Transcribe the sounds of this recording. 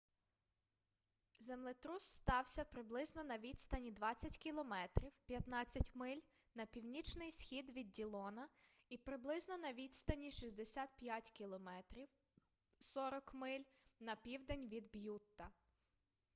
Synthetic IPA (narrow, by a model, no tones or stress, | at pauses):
zemlˠɪt̪ɾusːt̪ɑwsʲɐpɾɪblˠɪznɔnɐʋʲid̪st̪ɐnʲid̪ʋɑt͡sʲːɐtʲkʲilˠɔmɛt̪ɾʲiwpʲjɐt̪nɑt͡sʲːɐtʲmɪlʲ | nɐpʲiwnʲit͡ʃnɪjsxʲid̪ʋʲid̪̚dʲilˠɔnɐ | ipɾɪblˠɪznɔnɐʋʲid̪st̪ɐnʲiʃizʲd̪esʲat̪pʲjatʲkʲilˠɔmɛt̪ɾʲiw | sɔɾɔkmɪlʲ | nɐpʲiwd̪enʲʋʲid̪bjut̪ːɐ